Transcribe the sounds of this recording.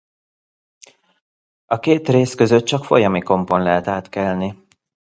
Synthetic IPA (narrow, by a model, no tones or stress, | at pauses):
ɒkeːt̪reːskø̞zøt̪̚t͡ʃɒkfo̞jɒmiko̞mpo̞nlɛɦɛt̪aːt̪kɛlni